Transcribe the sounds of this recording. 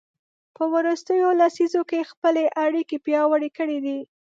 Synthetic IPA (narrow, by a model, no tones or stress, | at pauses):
pəwɾəst̪əjolasizokexpəleʔaɽikepjɑwəɽekəɽid̪i